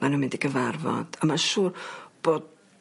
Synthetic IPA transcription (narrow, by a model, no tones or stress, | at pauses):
anəmɪndiɡəvarvɔ̰d̥amaʃuːrb̥oːd̥̚